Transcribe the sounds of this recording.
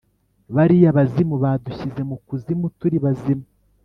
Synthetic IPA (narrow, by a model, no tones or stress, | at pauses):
βaɾijaβazimuβaːduçize̞mukuzimutuɾiβazimu